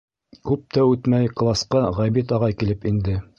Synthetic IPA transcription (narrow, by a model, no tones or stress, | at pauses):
kʉp̚t̪æʉt̪mæjklˠɑsqɑʁæjbit̪ɑʁɑjkilɘpind̪ɘ